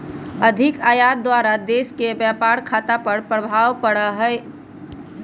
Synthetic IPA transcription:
əd̪ʱɪkaːjaːt̪̚d̪waːɾad̪eːskebjapaːɾkʰaːt̪apəɾpɾəbʱaːwpəɽəɦɛ

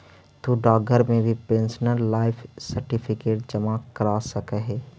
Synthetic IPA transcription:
t̪uɖaːɡəɾmẽbʱipẽnsnəlːaːɪpʰsəɾʈipʰɪkeːʈ̚d͡ʒəmakəɾasəkəɦɛː

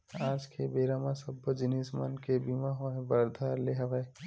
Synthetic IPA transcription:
aːd͡ʒkʰebeːɾamãsəbːəd͡ʒɪnismə̰nkebimaɦõẽbəɾd̪ʱaːɾleɦɐʋa

